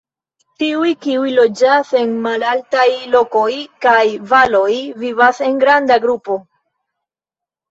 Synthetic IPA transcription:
tiujkiujlo̞d͡ʒase̞nmalaltajlo̞ko̞jkajvalo̞jvivase̞ŋɡɾandaɡɾupo̞

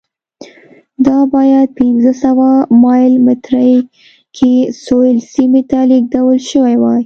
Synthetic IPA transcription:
d̪ɑbɑjad̪̚pɪnzəsawamɑjlmɪt̪ɾəj | kʰesojlsimet̪aliɡ̚d̪awəlʃəwajwɑj

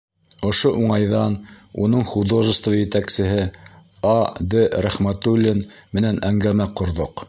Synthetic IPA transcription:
ŏʃoʔuɴɑjðɑnṵnɤɴχud̪oʒə̆st̪vɑjɘ̆t̪æksɘ̆ɦɘ | ɑd̪ɘɾæχmæt̪ulʲːɘnmɘ̆nænæŋɡæmæqŏɾðoq

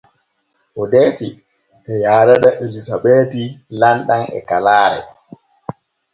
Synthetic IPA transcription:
ʔɔdɛːti | ʔɛjaːɾaɗaʔelisaɓeːtilanɗanɛ̰kalaːɾɛ̰

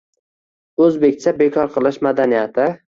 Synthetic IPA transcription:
ɵzbe̞kʲt͡ʃʰabe̞kʰɒɾqʰɨlˠɪʃmad̪anijat̪ʰɪ

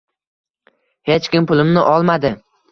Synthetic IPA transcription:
he̞t͡ʃkʲɪmpʊlˠɪmnɪʔɒlˠmad̪ɪ

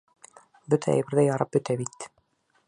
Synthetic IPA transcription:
bɵt̪ʰææ̰jbɘ̆ɾðæjɑɾɑp̚bɵ̆t̪æbit̪

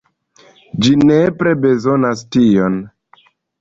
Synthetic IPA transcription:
d͡ʒinepɾe̞be̞zo̞nastio̞n

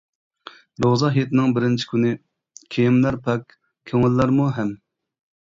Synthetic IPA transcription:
ɾozɑɦet̪ɪnɪŋbɪɾɪnt͡ʃʰi̥kʲʰynɪ | kʲʰejimlæɾpʰɛkʲ | kʲʰøŋɪlːæɾmuɦɛm

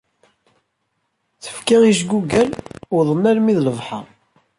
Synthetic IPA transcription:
θə̥fkæiʃ̬ɡuɡælʊɾðˤənːælmiðləvħɑ̰

